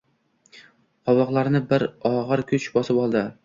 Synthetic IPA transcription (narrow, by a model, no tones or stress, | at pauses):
qʰɒwɒqlˠaɾnɪbɪɾɒʁɨɾkʲʰʊt͡ʃbɒsɪpɒlˠd̪ɪ